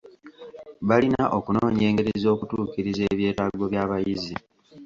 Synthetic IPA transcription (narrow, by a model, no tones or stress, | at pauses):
βalinaʔo̞kunoːɲeːŋɡe̞ɾezo̞ːkutuːkiɾize̞ːβje̞ːtaɡo̞βjaːβajizi